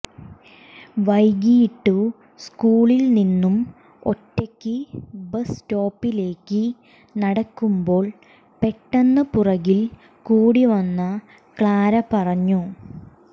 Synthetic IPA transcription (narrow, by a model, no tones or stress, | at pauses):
ʋɐjɡijiʈːu | skuːɭilninːum | o̞̰tːekʲːɨbɐsto̞ːpːile̞ːkːɨ | nɐɽɐkːumbo̞ːɭ | pe̞ʈːɐnːɐpurɐɣil | kuːɽiʋɐnːɐ | kɭaːɾɐpɐrɐɲːu